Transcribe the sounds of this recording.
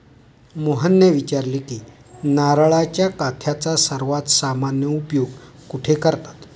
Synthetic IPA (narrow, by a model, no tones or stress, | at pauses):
moɦənjəʋit͡ɕaɾlikiː | naɾɭat͡ɕjakat̪ʰjat͡sasəɾʋat̪samanjəupjoɡ | kuʈʰekəɾt̪ḁt̪